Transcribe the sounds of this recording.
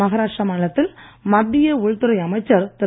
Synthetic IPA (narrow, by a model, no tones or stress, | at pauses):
ɐɣɐɾaːʂʈɾɐmaːɳɐɭɐt̪ːɪlmɐbːɪjeʊɻt̪ːʊɾɐɪjɐmɐɪt͡ʃːɐɾt̪ɐ